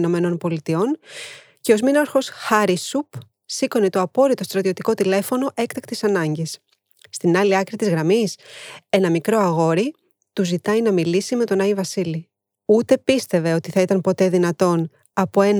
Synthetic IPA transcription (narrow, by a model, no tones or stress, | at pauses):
no̞me̞no̞npo̞lit̪io̞n | ce̞o̞zminɐɾxo̞sxɐɾisup | siko̞nit̪oɐpo̞ɾit̪o̞st̪ɾɐt̪io̞t̪iko̞t̪ile̞fo̞no̞ʔe̞kt̪ɐkt̪i̥sɐnɐɲɟesː | t̪inɐliɐkɾit̪izɣɾɐmise̞nɐmikɾo̞ɐɣo̞ɾi | t̪uzit̪ɐjnɐmilisime̞t̪o̞nɐivɐsili | ut̪e̞pist̪e̞ve̞o̞t̪iθɐit̪ɐmpo̞t̪e̞ðinɐt̪o̞n | ɐpo̞e̞n